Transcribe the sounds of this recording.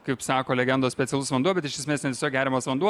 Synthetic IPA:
kɐɪpsɑːkoːlʲɛɡʲɛnd̪oːsʲpʲɛtt͡s̪sʲɛlˠʊsʋɐnd̪ubʲɛt̪ɪʃʲɛsʲmʲeːsnʲɛt̪ʲesʲoːkɡʲæːɾʲɪmɐsʋɐnd̪uɔ

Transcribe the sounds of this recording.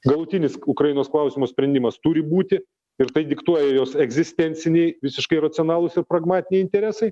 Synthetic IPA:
ɡɐlˠʊt̪ʲɪnʲɪsʊkɾɐiɪnoːsklˠɐʊsʲɪmoːsʲpʲɾʲɛnʲd̪ʲɪmɐst̪ʊɾʲɪbuːt̪ʲɪ | ɪɾt̪ɐɪd̪ʲɪkt̪uɔjɛjoːsɛɡzʲɪsʲt̪ʲɛnʲsʲɪnʲɛɪʋʲɪsʲɪʃkɐɪrɐt̪sʲɪoːnɑːlˠʊsɪɾpɾɐɡmɑːt̪ʲɪnʲɛɪnʲt̪ʲɛɾʲæːsɐɪ

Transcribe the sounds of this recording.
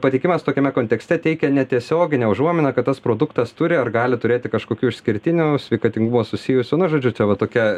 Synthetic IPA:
pɐt̪ʲɛɪkʲɪmɐst̪oːkʲɛmʲɛkoːnt̪ʲɛksʲt̪ʲɛt̪ʲɛɪkʲɛnʲɛt̪ʲiɛsʲoːɡʲɪnʲɛʊʒuɔmʲɪnʲɐkɐt̪t̪ːɐspɾoːd̪ʊkt̪ɐst̪ʊɾʲɪɐrɡɑːlʲɪt̪ʊɾʲeːt̪ʲɪkɐʃkoːkʲuːɪʃʲsʲkʲɪɾʲt̪ʲɪnʲuːsʲʋʲɛɪkɐt̪ʲɪŋɡʊmoːsʊsʲɪjʊsʲʊnʊʒoːd͡ʒʲʊt͡ʃʲɛʋɐt̪oːkʲɛ

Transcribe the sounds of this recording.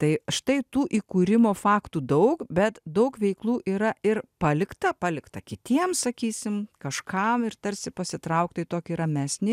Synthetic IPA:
t̪ɐɪʃt̪ɐɪt̪uːʔiːkuːɾʲɪmoːfɑːkt̪uːd̪ɐʊkbʲɛt̪d̪ɐʊkʋʲɛɪklˠuːʔiːɾɐɪrpɑːlʲɪkt̪ɐpɑːlʲɪkt̪ɐkʲɪt̪ʲiɛmsɐkʲiːsʲɪmkɐʃkɐmɪrt̪ɐɾʲsʲɪpɐsʲɪt̪ɾɐʊkt̪ɐɪt̪oːkʲiɾɐmʲæːsʲnʲɪ

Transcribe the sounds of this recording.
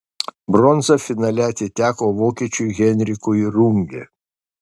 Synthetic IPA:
bɾɔnzɐfʲɪnɑːlʲɛɐt̪ʲɪt̪ʲæːkoːʋoːkʲiːt͡ʃʲʊjɣʲɛnʲɾʲɪkʊɾuŋʲɡʲɛ̰

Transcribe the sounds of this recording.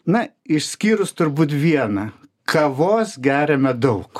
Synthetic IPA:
nɐ | ɪʃʲsʲkʲiːɾʊst̪ʊɾbuːt̪ʋʲiɛnɐ | kʰɐʋoːsɡʲæːɾʲɛmʲɛd̪ɐʊk

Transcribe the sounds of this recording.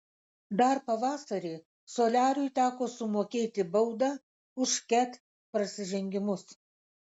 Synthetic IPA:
d̪ɐɾpɐʋɑːsɐɾʲeː | soːlʲæːɾʊɪt̪ʲæːkoːsʊmoːkʲeːt̪ʲɪbɐʊd̪ɑː | ʊʃkʲɛt̪ | pɾɐsʲɪʒʲɛŋʲɡʲɪmʊs

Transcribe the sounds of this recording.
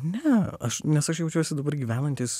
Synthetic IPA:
nʲɛɐʃnʲɛsɐʃjɛʊt͡ʃʲuɔsʲɪd̪ɐbɐrɡʲiːʋʲæːnɐnʲt̪ʲiːs

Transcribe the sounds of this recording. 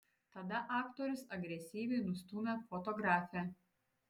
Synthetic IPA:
t̪ɐd̪ɐʔɑːkt̪oːɾʲʊsɐɡɾʲɛsʲiːʋʲɛɪnʊst̪umʲɛfot̪ɔɡɾɑːfʲɛ

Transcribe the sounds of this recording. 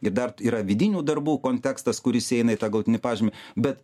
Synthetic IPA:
ɪɾd̪ɐriːɾɐʋʲɪd̪ʲɪnʲuːd̪ɐrbuːkoːnʲt̪ʲæːkst̪ɐskʊɾʲɪsɛɪnɐɪt̪ɑːɡɐlˠʊt̪ʲɪnʲɪpɑːʒʲɪmʲɛbʲɛt̪

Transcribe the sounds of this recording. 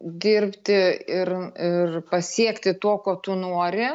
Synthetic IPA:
d̪ʲɪrʲpʲt̪ʲɪɪrɪrpɐsʲiɛkt̪ʲɪt̪oːkoːt̪ʊnoːɾʲɪ

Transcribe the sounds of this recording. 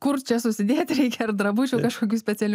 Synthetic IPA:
kʊrt͡ʃʲɛsʊsʲɪd̪ʲeːt̪ʲɾʲɛɪkʲɛɐrd̪ɾɐbuːt͡ʃʲɛkɐʃkoːkʲuːsʲpʲɛt͡sʲɛlʲ

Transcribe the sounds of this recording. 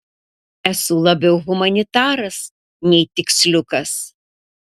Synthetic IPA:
ɛsʊlˠɐbʲɛʊɣʊmɐnʲɪt̪ɑːɾɐs | nʲɛɪt̪ʲɪksʲlʲʊkɐs

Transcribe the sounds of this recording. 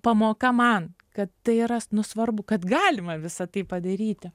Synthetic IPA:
pɐmoːkɐmɐn | kɐt̪ːɐɪɪɾɐnʊsʋɐrbʊkɐt̪ɡɑːlʲɪmɐʋʲɪsɐt̪ɐɪpɐd̪ɐɾʲiːt̪ʲɪ

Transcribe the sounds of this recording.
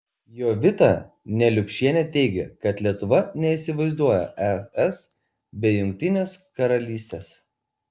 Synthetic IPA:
joːʋʲɪt̪ɑ̰ːˑ | nʲɛlʲʊkʲʃʲiɛnʲɛt̪ʲɛɪɡʲɛ̰kɐt̪lʲiɛt̪ʊʋɐnʲɛiˑsʲɪʋɐɪzd̪uɔjo̰ʔɛɛs | bʲɛɪjʊŋʲk̚t̪ʲɪnʲeːskɐɾɐlʲiːsʲt̪ʲeːs

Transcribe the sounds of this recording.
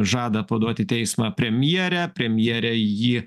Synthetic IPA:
ʒɑːd̪ɐpɐd̪uɔt̪ʲɪt̪ʲɛɪsmɑpʲɾʲɛmʲjiɛɾʲɛpʲɾʲɛmʲjiɛɾʲɛjiː

